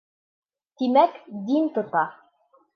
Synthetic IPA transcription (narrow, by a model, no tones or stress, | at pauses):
t̪imækd̪int̪ŏt̪ɑ